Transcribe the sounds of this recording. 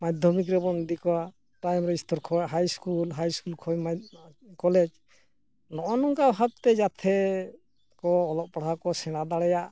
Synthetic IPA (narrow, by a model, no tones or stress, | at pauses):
mad̪ʱjɔmik̬ɾɛbɔnd̪ikɔwa | ʈajmɾɛist̪ɔɾkʰɔaɦajskulɦajskulkʰɔjmakɔlɛd͡ʒ | nɔʔɔnɔŋkabɦap̚t̪ɛd͡ʒat̪ʰɛ | kɔːlɔʔ̚paɽ̤akɔsɛɽ̃ad̪aɽɛjaʔ